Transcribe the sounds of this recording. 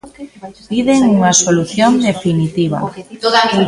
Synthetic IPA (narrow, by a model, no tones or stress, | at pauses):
piðeŋuŋasoluθjond̪efinit̪iβ̞a̰